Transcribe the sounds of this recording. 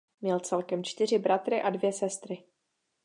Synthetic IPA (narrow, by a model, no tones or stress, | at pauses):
mɲɛlt͡sɛlkɛmt͡ʃt̪ɪr̝ɪbɾat̪ɾɪʔadvjɛsɛst̪ɾɪ